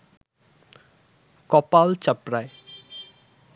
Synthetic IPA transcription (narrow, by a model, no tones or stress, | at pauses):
kɔpalt͡ʃəpɾaj